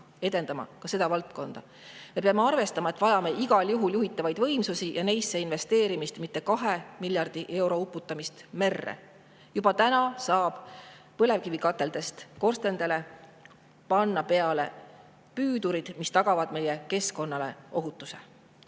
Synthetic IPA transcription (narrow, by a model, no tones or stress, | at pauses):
e̞d̪e̞nd̪ɑmɑ̰kɑse̞d̪̥ɑvɑlt̪ko̞nd̪̥ɑ | me̞peɑmeɑrve̞st̪ɑmɑe̞t̪vɑjɑme̞iɡ̥ɑljuɦuljuɦit̪ːˑɑvɑjd̪vɤ̞jmsusijɑnejsːeinve̞st̪e̞ːɾimist̪mit̪ːe̞kɑɦe̞milʲjɑrd̪̥iʔe̞wɾo̞upːˑut̪ːˑɑmist̪me̞rːḛ | jub̥ɑt̪ænɑsɑːb̥ | pɤle̞vkivikɑt̪ːˑe̞ld̪̥e̞st̪ko̞rst̪e̞nd̪̥e̞le̞ | pɑnːɑpe̞ɑle̞̰ | pyːd̪uɾid̪̥mist̪ɑɡ̥ɑvɑd̪me̞jeke̞sko̞nːɑle̞̰ʔo̞ɦut̪ˑːuse̞̰